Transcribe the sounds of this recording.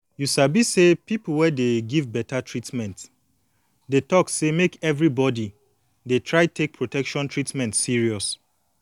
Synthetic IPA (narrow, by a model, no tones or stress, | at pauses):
jusabisepipl̩ˠwɛdeɡivbɛtatʰɹitmɛ̃nt | detɔksemekɛvɹibɔdi | detʰɹaɪtʰek̚pʰɹotʰɛkʃɔ̃ntɹitmɛ̃ntsiɹiɔs